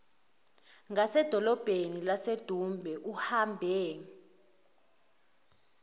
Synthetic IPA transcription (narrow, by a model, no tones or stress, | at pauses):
ŋasɛd̥ʱɔlɔb̥ʱenilased̥ʱumbʱɛʔuhambʱeːni